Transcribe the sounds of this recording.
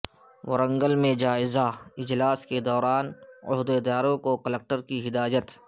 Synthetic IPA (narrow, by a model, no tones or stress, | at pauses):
wɐɾə̃ŋɡəlmẽd͡ʒaːɪzaɪd͡ʒlaːsked̪ɔːɾaːnʊ̰ɦd̪ed̪aːɾõkokələk̚ʈəɾkiɦɪd̪aːjət̪